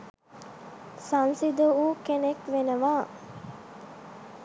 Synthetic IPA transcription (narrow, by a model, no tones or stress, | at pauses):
sansid̪əuːkenekʋenəʋaː